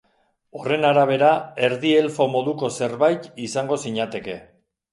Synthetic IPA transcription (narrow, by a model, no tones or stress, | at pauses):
o̞re̞naɾaβ̞e̞ɾae̞ɾðie̞lfo̞mo̞ðuko̞se̞ɾβajt̪isaŋɡo̞siɲat̪e̞ke̞